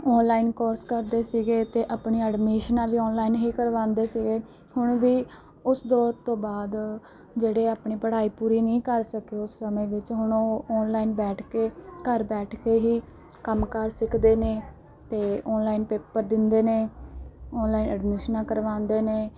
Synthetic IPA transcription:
ɔːnlaːiːnkɔːɾskəɾd̪eːsiːɡeːt̪eːʔaːpɳiːəɖmiːʃənãːʋiːɔːnlaːiːnɦiːkəɾʋãːnd̪eːsiːɡeː | hʊɳʋiː | ʊsd̪ɔːɾt̪õːbaːd̪ | d͡ʒeːɽeːaːpɳiːpəɽaːiːpuːɾiːnĩːkəɾsəkeʊsːəmẽːʋɪt͡ʃɦʊɳoːnlaːiːnbɛːʈʰkeːkəɾbɛːʈʰkeːɦiː | kəmkəɾsɪkʰd̪eːneː | t̪eːɔːnlaːiːnpeːpəɾd̪ɪnd̪eːneː | ɔːnlaːinəɖmiːʃnãːkəɾʋãːnd̪eːneː

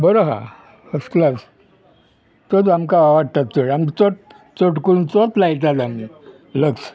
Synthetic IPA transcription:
bəɾoɦã̰ | əsklas | t̪ot̪amkaaʋaɽt̪at̪t͡soɽamt͡soʈ̚ | t͡soʈkəɾuːnt͡sot̪lajt̪̬at̪ami | ləks

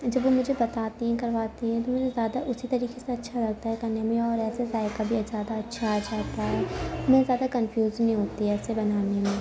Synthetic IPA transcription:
d͡ʒɐbʋomʊd͡ʒʱebɐt̪aːt̪eɦɛ̃kɐɾʋaːt̪eɦɛ̃t̪̬omʊd͡ʒʱezjaːd̪aʔʊsʰit̪ɐɾiːkeseɐtːʃʰalɐɡ̚t̪aɦɛkɐɾnemẽɔːɾɛːsesaːɪkabʱizjaːd̪aɐtːʃʰad͡ʒaːt̪aɦɛːmʊd͡ʒʱẽzjaːd̪akɐ̃nfjuːzneĩɦoːt̪iɦɛːsebɐnaːnemẽ

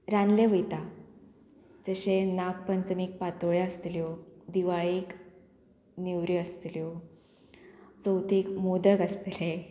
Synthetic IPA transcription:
ɾanleʋəjt̪a | d͡zəɕenak̚pənt͡səmik̚pat̪oɭjeəst̪ljod̪iʋaɭik | niwɾiəst̪ljo | t͡səwt̪ʰikmod̪əɡəst̪le

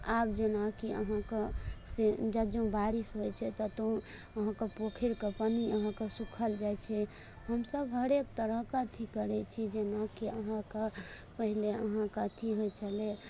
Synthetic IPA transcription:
ab̚d͡ʒenakiə̰ɦãkesed͡ʒəd͡ʒõbaɾisɦojt͡ʃʰɛt̪ɔt̪o | əɦãkepokʰiɾkepəniəɦãkesukʰəld͡ʒajt͡ʃʰɛ | həmsəbʱɦəɾek̚t̪əɾəɦkat̪ʰikəɾɛt͡ʃʰid͡ʒenakiəɦãke | pəɦileəɦãkat̪ʰiɦojt͡ʃʰəle

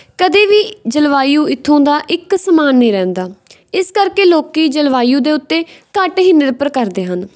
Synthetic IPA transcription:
kəd̪eːʋiːd͡ʒəlʋaːijũːɪt̪ʰːõːd̪aːʔɪksəmaːnːĩːɾɛ̃ːnd̪aː | ɪskəɾkeːloːkiːd͡ʒəlʋaːijũːd̪eːʊt̪ːeːkəʈɦɪnːəɾpəɾkəɾd̪eːɦən

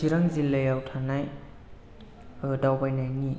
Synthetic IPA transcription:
iɾaŋzilejawtʰanaj | ɯdawbajnajŋi

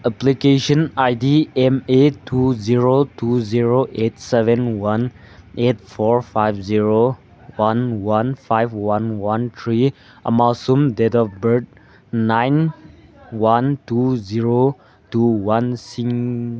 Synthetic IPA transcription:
əplikeʃə̃naɪdiɛ̃metʰuziɹotʰuziɹoʔet̚sɛvə̃nwãn | ʔet̚fɔɹfaɪvziɹo | wãnwãnfaɪvwãnwãnt̪ʰɹi | əmalsũmdɛtɔfbəd̚ | nãjn | wãntuziɹo | tuwãnsĩŋ

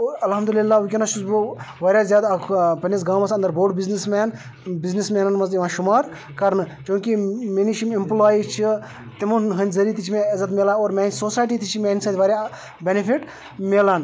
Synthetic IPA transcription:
ɐlɦɐmd̪ulilːaːʋukʲinaʃusboʋaːɾʲjaːzjaːd̪kʰpɐnisɡãːmɐsɐnd̪ɐɾboːɽbiznismaːn | biznismeːnɐnmɐsjiʋãːʃumaːɾ | kɐɾnɨt͡ʃõːkimeniʃimimplaːjit͡ʃʰi | t̪imunɦɐnʲzɐɾiːt̪it͡ʃʰimẽɐzɐt̪̬mʲeːlaːnoːɾmʲaːnʲsoːsaːjʈit̪it͡ʃʰimʲeːnisɐːt̪ʋɐːɾʲja | bʲenipʰiʈ | meːlaːn

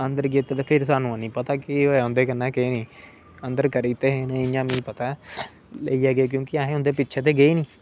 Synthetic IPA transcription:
ənd̪əɾɡiːt̪eːt̪aːpʰɪɾsaːnũːanĩːpət̪aːkɪoʊ̃nd̪eːkənːãːkeːnĩː | ənd̪əɾkəɾiːt̪eːɦẽːnẽɪjãːmĩːpət̪aː | ləiːaːɡeːk̬jõːkɪaːɦẽːʊ̃nd̪eːpɪtːt͡ʃʰeːt̪̬eːɡəiːnĩː

